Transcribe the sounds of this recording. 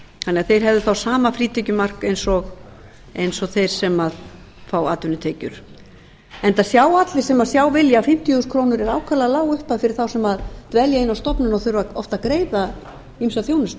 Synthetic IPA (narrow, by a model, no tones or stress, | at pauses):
θanːɛɣaθejɾ̥ɦɛvðɪθawsaːmafɾiːt̪ʰɪcʏmar̥kejnsɔɣ | ejnsɔɣθejɾ̥sɛmað | faːwaːt̪ʏnɪt̪ʰeːjcʏ̰ɾ̥ | ɛnt̪asjaːwat̪lɪ̥sɛmaðsjaːwvɪljafɪm̥t̪iskʰɾoːwnʏɾɛɾaːwkʰaɾlaðlaːwʏhpafɪɾɪɾ̥θawsɛmaðt̪vɛljaɪnːawst̪ɔpnʏnɔθʏɾvaɔft̪aðkɾeːjða | imsaθjoːwnɪs